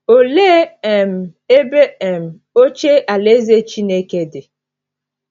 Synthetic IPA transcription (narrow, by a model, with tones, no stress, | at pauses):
o˨le˦ɛ˨m̩˨e˦be˦ɛ˨m̩˨ | o˦t͡ʃe˦ʔa˨le˦ze˦t͡ʃi˦ne˦ke˦dɪ˨